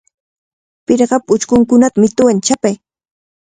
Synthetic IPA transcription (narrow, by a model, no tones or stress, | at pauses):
pɪɾɢɑpʊt͡ʃkʊŋkʊnat̪amɪt̪ʊwant͡ʃapaj